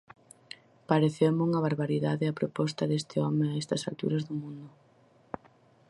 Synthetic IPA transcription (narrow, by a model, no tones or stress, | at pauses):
paɾeθewmuŋɐβaɾβaɾiðaðɪɐpɾopɔst̪ɐðest̪ɪɔmɪaɛst̪ɐsa̰lt̪ṵɾɐzðʊmũnd̪ʊ